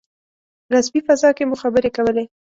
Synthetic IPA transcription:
ɾasbifazɑkemʊxabəɾekawəle

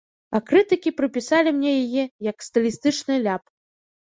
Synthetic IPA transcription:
ɐkɾɨt̪ɨkʲipɾɨpʲisalʲimnʲɛjajɛjɐkst̪ɨlʲist̪ɨt͡ʂnɨjlʲap

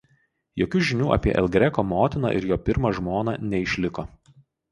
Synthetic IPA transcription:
joːkʲuʒʲɪnʲuːʔɐ̰pʲiɛʔɛ̰lˠɡɾʲɛkoːmoːt̪ʲɪnɐ̰ːʔɪ̰ɾjoːpʲɪɾmɐʒmoːnɑ̰ːnʲɛɪʃʲlʲɪkoː

